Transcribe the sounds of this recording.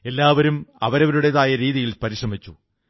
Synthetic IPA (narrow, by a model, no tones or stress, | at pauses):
e̞lːaːʋɐɾumɐ̰ʋɐɾɐʋɐɾuɽeðaːjɐɾiːðijilpɐɾiʂrɐmit͡ɕːu